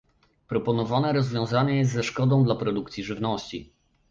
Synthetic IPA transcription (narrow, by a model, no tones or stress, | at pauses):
pɾɔpɔnɔvanɛɾɔzvʲjɔ̃w̃zaɲɛjɛst̪zɛʂkɔd̪ɔ̃w̃d̪lapɾɔd̪ukt̪sʲiʐɘvnɔɕt͡ɕi